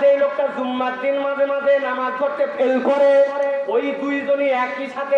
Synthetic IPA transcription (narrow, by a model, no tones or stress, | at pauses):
d͡ʒejlok̚ʈazumːakd̪inmad͡ʑʱemad͡ʑʱenamad͡ʒkʰoʈt̪epʰelkoɾeeojd̪ujd͡ʒoniɛkiʃat̪ʰe